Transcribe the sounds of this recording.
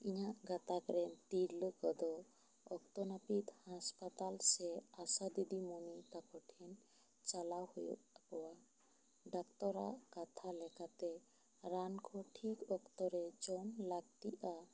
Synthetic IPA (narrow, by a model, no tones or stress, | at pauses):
iɲaʔɡat̪akɾɛnt̪iɾləkɔd̪ɔ | ɔkt̪ɔnapit̪hãspat̪alsɛasad̪id̪imɔnit̪akɔʈʰɛn | t͡ʃalawhujɔ̰kɔwa | ɖakt̪ɔɾa̰ʔkat̪ʰalɛkat̪ɛ | ɾankʰɔʈʰikɔkt̪ɔɾɛd͡ʒɔnlaɡt̪iʔa